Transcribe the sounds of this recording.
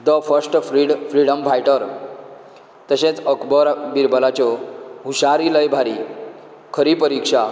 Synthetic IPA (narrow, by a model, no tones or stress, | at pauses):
d̪əfəɾsʈɾiɽfɾiɽəmfajʈəɾ | t̪əɕẽt͡səkbəɾbiɾbəlat͡ɕɔɦuɕaɾiləjbʱaɾi | kʰəɾiːpəɾikʂa